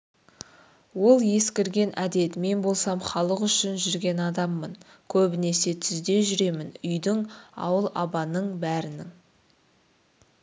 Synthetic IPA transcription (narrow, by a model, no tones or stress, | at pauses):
wo̞lˠje̞skʲɪɾɡʲe̞nʔæd̪e̞t̪me̞nbo̞lˠsɑmχɑlˠəqʏʃɪnʒʏɾɡʲe̞nɑd̪ɑmːən | kʲʰɵbɪne̞se̞t̪ʰʏzd̪e̞ʒʏɾe̞mɪnʏjd̪ɪŋɑ̰wəlˠɑbɑnəɴbæɾɪnɪŋ